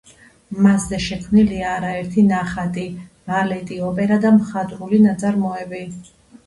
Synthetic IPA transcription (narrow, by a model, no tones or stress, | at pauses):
maszɛʃɛkʰmniliaːɾaɛɾt̪ʰinaχat̪ʼivalɛt̪ʼiɔpʼɛɾad̪amχat̪ʼɾulinat̪sʼaɾmɔɛbi